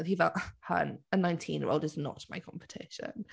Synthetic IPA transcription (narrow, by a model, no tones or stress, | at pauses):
ivɛhə̰nənãɪ̃ntʰĩnjɛ̰ɹo̰ʊlˠdɪznə̰ʔmaɪkʰɒ̃mpə̥tʰɪ̰ʃə̰̃n